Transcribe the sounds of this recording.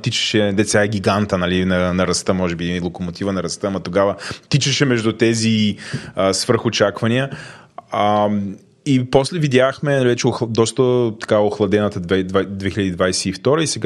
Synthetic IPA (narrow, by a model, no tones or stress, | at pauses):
t̪it͡ʃə̥ʃɛd̪ɛt̪saɛɡʲiɡant̪ənɐlinɐnɐɾɐst̪əmɔʒɛbilˠokomot̪ivənɐɾɐst̪əmɐt̪oɡavət̪it͡ʃəʃɛmɛʒd̪ut̪ɛziəsv̥əɾxʊt͡ʃakvɐniə | ipɔslɛvid̪jaxmɛnɐliɛt͡ʃɛoxd̪ɔst̪ət̪ɐ̥kaoxlˠɐd̪ɛnət̪əd̪vɛd̪vad̪vɛxiʎʲəd̪id̪vajsɛift̪ɔɾəisɛɡa